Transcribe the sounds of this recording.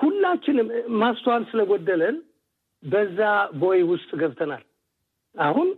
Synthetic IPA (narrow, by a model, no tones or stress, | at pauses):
hulːat͡ʃːɪnmast̪ʰwansɨləɡɔd̪ːələn | bəzːabo̞jwʊst̪ʼɡəβt̪ʰənal | ahun